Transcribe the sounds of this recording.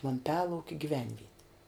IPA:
ʋɐmʲˈpʲæːlˠɐʊkʲɛ ɡʲiːˈʋʲɛnʲʋʲiɛtʲɪ

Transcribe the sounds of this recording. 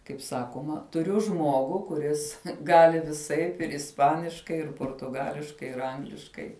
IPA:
kɐɪp ˈsɑːkoːmɐ tʊˈrʲʊ ˈʒmuɔɡʊ kʊˈrʲɪs ˈɡɑːlʲɪ ʋʲɪˈsɐɪp ɪr ɪsˈpɑːnʲɪʃkɐɪ ɪr poːrtʊˈɡɑːlʲɪʃkɐɪ ɪr ˈɐŋɡlʲɪʃkɐɪ

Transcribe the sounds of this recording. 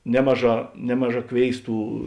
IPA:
ˈnʲæːmɐˌʒɑː ˈnʲæːmɐˌʒɑː ˈkʋʲeːɪsˌtuː

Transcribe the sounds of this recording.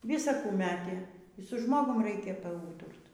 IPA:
ˈʋʲɪsɐ ˈkuː ˈmʲæːtʲeː iː sʊ ˈʒmoːɡʊm ˈrʲɛɪkʲɛ pɐˈuːtʊrt

